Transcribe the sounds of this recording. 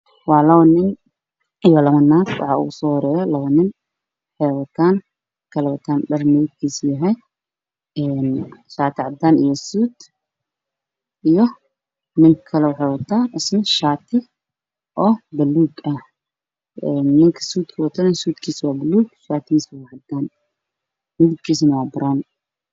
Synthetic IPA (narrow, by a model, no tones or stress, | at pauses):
waːlɐwɐnɪn | ɪjɔlɐmɐnːaːt̪wɑ̰ħa̰ʔʊ̰ɡʊsɔːhɔɾɛːjɔlɐwɐnɪn | wħɛjwɐt̪ʰaːn | kʰɐlɛwɐt̪ʰaːnɗɐrmɛjd̪̚kʰiːsjɐɦɛj | ʔɛnʃaːt̪ʰɪʕad̪anɪjɔsuːd̪ | ʔijɔ | nɪŋkʰɐlɛwħɛwɔt̪ʰːaːʔɪsnɐʃaːt̪ʰɪ | ʔɔːbɐlːuːɡɐ | ɛnːɪŋkʰɐ̥suːt̪kʰɐwɔt̪ʰːɐnɛnsuːt̪kʰiːswaːbɐluːɡʃaːt̪ʰːɪiswaʕad̪aːn | nuβd̪̚kʰiːs̬nɐwaːbɐɾaːn